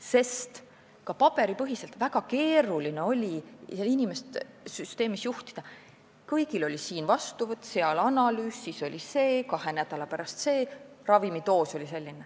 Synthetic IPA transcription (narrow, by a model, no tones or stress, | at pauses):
se̞st̪ | kɑpɑb̥e̞ɾipɤɦise̞lt̪ˑvæɡ̥ɑke̞ːɾulineo̞lʲiselinime̞st̪ | syst̪e̞ːmisjuht̪i̥d̪̥ɑ | kɤjɡ̥ilo̞lʲisiːnvɑst̪uvɤt̪ːˑseɑlɑnɑlyːsːiso̞lʲise̞ːkɑhe̞næd̪ɑlɑpæɾɑst̪se̞ːrɑvimit̪o̞ːso̞lʲise̞lʲːine